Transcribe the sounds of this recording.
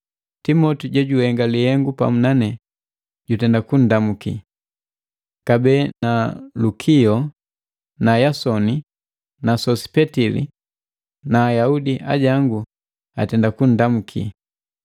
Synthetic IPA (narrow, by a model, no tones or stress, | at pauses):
timɔtiɟɛɟuhɛŋɡalihɛŋɡupa̰munanɛ | ɟutɛndakun̩damukḭ | kabɛːnalukʰiɔ | najasɔni | nasɔsi̥pɛtilḭ | naːjaudiʔa̰ɟaŋɡu | a̰tɛndakun̩damukʰḭ